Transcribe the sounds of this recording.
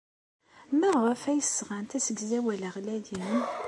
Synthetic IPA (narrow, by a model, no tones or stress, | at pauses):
məʁəfæjəsːʁænt̪æsəɡzæwæləʁlæjəm